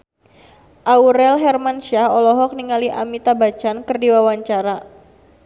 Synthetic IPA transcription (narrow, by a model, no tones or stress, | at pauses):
ʔauɾɛlɦɛrmanʃahɔlɔɦɔk̚niŋaliʔa̰mit̪abat͡ʃankɨrdiwawaɲt͡ʃaɾa